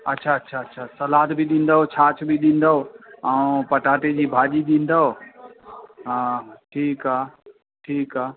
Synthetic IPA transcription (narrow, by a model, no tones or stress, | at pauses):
ətːʃʰaətːʃʰaətːʃʰasəlaːd̪bʱiɗ̪ĩnd̪əɦot͡ʃʰaːt͡ʃʰbʱiɗ̪ĩnd̪əoaũpəʈaʈed͡ʒibʱaːd͡ʒid̪ĩnd̪əo | ɦʈʰiːka | ʈʰiːka